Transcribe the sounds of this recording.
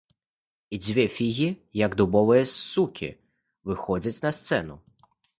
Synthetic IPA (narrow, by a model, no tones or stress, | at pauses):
id͡zʲʋʲɛfʲiɣʲijɐɡd̪ʊbɔʋʊjɛukʲḭ | ʋɪxɔd͡zʲɐt͡sʲnɐst̪sɛnʊ